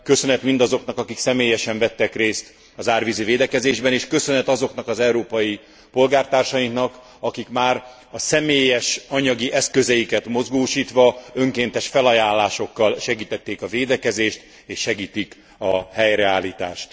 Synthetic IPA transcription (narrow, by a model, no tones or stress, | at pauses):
kø̞sø̞nɛt̪mind̪ɒzo̞knɒkɒkiksɛmeːjɛʃɛɱvɛt̪ːɛkreːst̪ | ɒzaːrviziveːd̪ɛkɛzeːʒbɛneːʃkø̞sø̞nɛt̪ɒzo̞knɒkɒzɛuɾoːpɒji | po̞lɡaːrt̪aːrʃɒjiŋknɒk | ɒkikmaːr | ɒsɛmeːjɛʃɒɲɒɡiʔɛskø̞zɛjikɛt̪mo̞zɡoːʃiːt̪ʋɒø̞ŋkeːnt̪ɛʃfɛlɒjaːlːaːʃo̞kːɒlʃɛɡiːt̪ɛt̪ːeːkɒveːd̪ɛkɛzeːʃt̪ | eːʃːɛɡiːt̪ik | ɒhɛjɾɛaːlːiːt̪a̰ːʃt̪